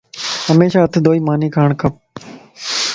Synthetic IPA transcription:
ɦəmeːʃaːɦət̪ʰd̪ʱoːiːmaːniːkʰaːɳkəp̚

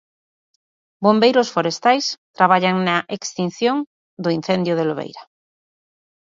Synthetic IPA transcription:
bombejɾosfoɾest̪ajst̪ɾaβaʎaŋnaʔekst̪in̟θjõŋ | d̪oin̟θend̪jʊðeloβḛjɾa

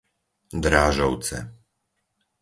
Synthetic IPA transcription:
d̪ɾaːʒɔʊt͡sɛ̰

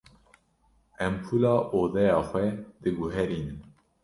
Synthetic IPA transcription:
ɛmpʰuːlɑːʔoːðɛjɑːxʷwɛd̪ɨɡuɦɛɾiːnɨm

